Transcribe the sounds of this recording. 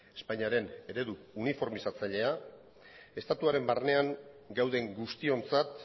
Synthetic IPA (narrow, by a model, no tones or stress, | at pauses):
e̞̥spaɲiaɾe̞ne̞ɾe̞ðuːnifo̞ɾmisat͡saʎe̞a | e̞st̪at̪uaɾe̞mbarne̞aŋɡawð̞e̞ŋɡust̪io̞nt͡sat̪